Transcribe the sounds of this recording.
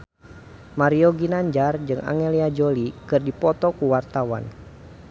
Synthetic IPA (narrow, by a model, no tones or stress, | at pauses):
maɾiɔɡinaɲd͡ʒard͡ʒɨŋa̰ŋɛliad͡ʒolikɨrdipɔt̪ɔkuwart̪awa̰n